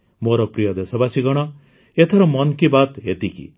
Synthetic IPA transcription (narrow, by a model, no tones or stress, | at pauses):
moɾɔpɾijʌd̪esɔbasiɡʌɽ̃ʌ | et̪ʰɔɾʌmʌnkibat̪ɦet̪ikḭ